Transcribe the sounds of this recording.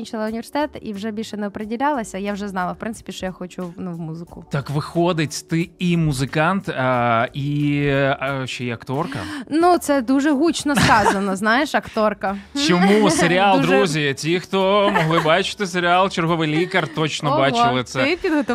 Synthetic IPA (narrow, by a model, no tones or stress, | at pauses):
inʲt͡ʃɐlˠɐʊnʲʋʲersʲɪt̪ɛt̪ḭwʐɛbʲilʲʃɛnɛɔpɾedʲilʲalˠɐsʲɐjawʐɛznɑlˠɐwpɾɪnsɪ̥pʲiʃt͡ʃɔjaxɔt͡ʃʊnuwmuzɪkʊt̪ɑkʋɪxɔd̪ɪtʲt̪ɪimuzɪkɑnt̪ | i | ʃt͡ʃɔjɛɐkt̪ɔrkɐ̰nut̪sɛd̪uʒɛɦut͡ʃnɔskɑzɐnɔznɑjeʃɐkt̪ɔrkɐt͡ʃɔmuseɾʲɪalˠd̪ɾuzʲitʲixt̪ɔmɔɦlˠɪbɑt͡ʃɪ̥t̪ɪseɾʲɪalˠt͡ʃerɦɔʋɪjlʲikɐrt̪ɔt͡ʃnɔbɑt͡ʃɪlˠɪt̪sɛpʲid̪ɦɔt̪ɔ